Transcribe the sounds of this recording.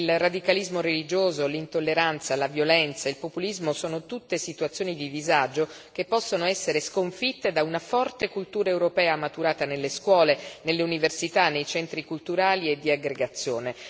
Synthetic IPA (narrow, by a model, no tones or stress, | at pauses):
ilrad̪ikalizmoɾelid͡ʒoːzolint̪olːeɾant̪salavjolɛnt̪sailpopulizmosoːnot̪ut̪ːesit̪uat̪sːjoːnid̪id̪izad͡ʒo | kepːɔsːonoɛsːeɾeskoɱfit̪ːed̪aunafɔrt̪ekult̪uːɾaewɾopɛːamat̪uɾaːt̪anelːeskwɔːlenelːeuniversit̪anːejt͡ʃɛnt̪ɾikult̪uɾaːlied̪ːiaɡɾeɡat̪sːjoːne